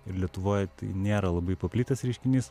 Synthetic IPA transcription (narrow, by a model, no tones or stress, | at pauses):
ɪɾlʲiɛt̪ʊʋoːjt̪ɐɪnʲeːɾɐlˠɐbɐɪpɐpʲlʲit̪ɐsɾʲɛɪʃʲkʲɪnʲiːs